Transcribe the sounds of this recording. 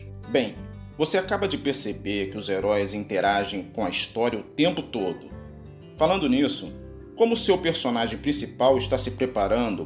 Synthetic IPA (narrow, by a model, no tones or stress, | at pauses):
bẽj̃ | voseakabɐd͡ʒɪpeɾsebeɾkɪʊzeɾɔjzĩnt̪eɾaʒẽj̃kõɐist̪ɔɾiɐʊt̪ẽmpʊt̪od̪ʊ | falɐ̃nd̪ʊnisʊ | kõmʊsewpeɾsonaʒẽj̃pɾĩsipawɪʃt̪asɪpɾepaɾɐ̃nd̪ʊ